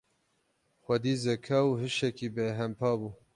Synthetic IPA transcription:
xʷɐd̪iːzɛkʰɛuɦɨʃɛkiːbeːɦɛmpʰɑːbuː

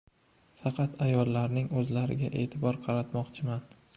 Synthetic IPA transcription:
fɑqʰɑt̪ajɒlːaɾnɪŋɵzlaɾɪ̰ɡʲaʔe̞̰ːt̪ʰɪbɒɾqʰɑɾat̪mɒqt͡ʃʰɪman

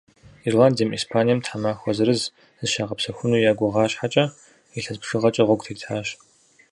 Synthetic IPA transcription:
irlaːndijɐmḭːspʰaːnijɛmtʰħamaːxʷɔzɨɾɨz | zɨʃaːʁɐpsɐxʷʊnuːjaːɡʷʊʁɑːɕħat͡ʃʼɐ | iɬɐzpʂɨʁɐt͡ʃʼɐʁʷɔɡ̚ʷʼtʰiːtʰħaːɕ

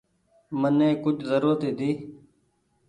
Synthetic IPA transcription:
məneːkʊd͡ʒʱzəɾuːɾət̪iːd̪iː

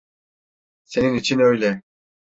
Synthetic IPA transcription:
se̞ninit͡ʃʰinø̞jlʲɛ

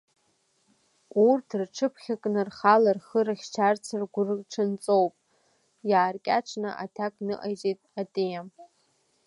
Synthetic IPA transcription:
urtʰrʈ͡ʂʰɨpʰχʲakʼnɨrχalarχəɾaχʲt͡ʃʰart͡sʰarɡʷrʈ͡ʂʰɨnt͡sʼowpʼ | jaːrkʲʼaʈ͡ʂʰnɨ̰ʔa̰tʰakʼnɨʔajt͡ʃʼejtʼatʼejam

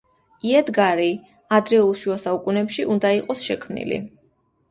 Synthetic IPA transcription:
iɛd̪ɡaɾi | ad̪ɾɛulˠʃuasaukʼunɛpʃiʔund̪aiqʼɔsʃɛkʰmnḭlḭ

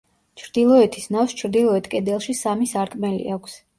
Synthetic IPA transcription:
t͡ʃʰɾd̪ilˠɔɛt̪ʰisnafst͡ʃʰɾd̪ilˠɔɛt̪ʰkʼɛd̪ɛlˠʃisamisaɾkʼmɛlḭakʷʰs

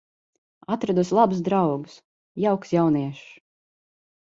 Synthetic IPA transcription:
at̪ɾad̪uslˠabusd̪ɾawɡus | jawksjawniɛʃ

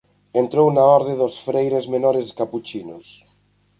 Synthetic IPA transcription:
ent̪ɾownaɔɾðeðosfɾejɾezmenɔɾeskaput͡ʃino̰s

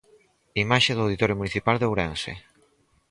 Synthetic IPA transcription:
imaʃeðoawðit̪ɔɾjomuniθipald̪owɾensḛ

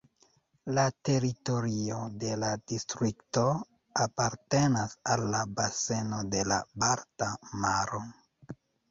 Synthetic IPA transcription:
late̞ɾito̞ɾio̞de̞ladistɾikto̞ | apaɾte̞nasalːabase̞no̞de̞la̰baɾtamaɾo

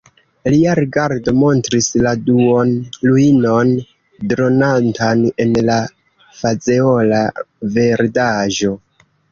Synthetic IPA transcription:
liaɾiɡaɾdo̞mo̞ntɾisladuonluino̞n | dɾo̞nantʰane̞nla | fazeo̞lave̞ɾdaʒo̞

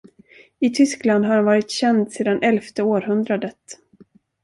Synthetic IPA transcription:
ɪt̪ʰʏskland̪ɦaɾanvɑːɾɪt̪ɕɛnd̪seːd̪anʔɛlft̪əoːɾɦɵnd̪ɾad̪ət̪

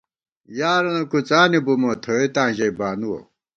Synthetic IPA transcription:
jaːɾonɐkut͡saːnibumot̪ʰoet̪ãːʑɐibaːnuwo̰

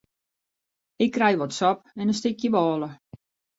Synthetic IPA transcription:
ɪkːrɛjʋɔtsɔp̚ɛnəs̬tɪkjəʋɔːlə

